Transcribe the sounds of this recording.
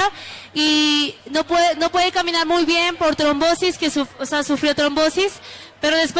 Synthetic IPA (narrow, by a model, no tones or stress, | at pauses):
ainopweno̞pwe̞ðekamĩnaɾmujβje̞mpo̞ɾt̪ɾombo̞siskesuoseasufɾiot̪ɾo̞mbo̞sis | pe̞ɾoðe̞spw